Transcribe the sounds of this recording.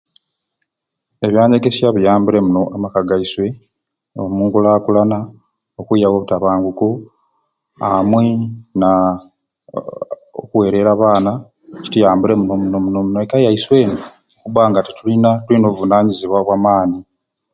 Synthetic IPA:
e̞βjaːɲeɡe̞siaβujaːmbuɾe̞muno̞ʔamakaɡajiswe̞ | o̰muːŋɡulakulana | okwujawo̞βutaβaːŋɡuku | amwena | o̰kuwe̞ɾe̞ɾaβaːna | ci̥tijaːmbuɾe̞muno̞muno̞muno̞munoekajajiswe̞ːno | kuβaːŋɡatitulinatulino̞ːβuvunaːɲiziβwaβwamaːni

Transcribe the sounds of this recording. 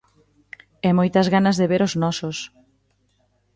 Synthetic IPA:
ɛmɔjt̪ɐzɣanɐzðeβeɾoznɔsʊs

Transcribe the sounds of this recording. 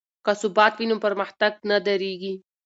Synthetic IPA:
kasubɑːt̪winumpəɾmaht̪aɡ̚nad̪aɾeɡi

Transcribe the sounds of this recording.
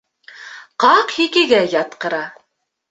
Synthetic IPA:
qɑqhikɘ̆ɡæjɑt̪qɤ̆ɾɑ

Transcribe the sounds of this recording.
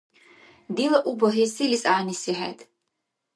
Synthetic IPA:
d̪ilaʔubɔɦisilisaːnisiħɛ̰d̪ʰ

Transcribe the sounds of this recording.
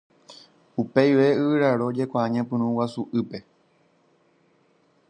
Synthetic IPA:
upe̞jʋe̞ɨʋɨɾaɾo̞d͡ʒe̞kʷaãɲãpɨ̃ñũwasuʔɨpe̞

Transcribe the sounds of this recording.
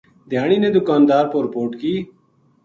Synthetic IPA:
d̪ʱjaːɽ̃iːneːd̪ʊkaːnd̪aːɾpoɾɪpoːɾʈkiː

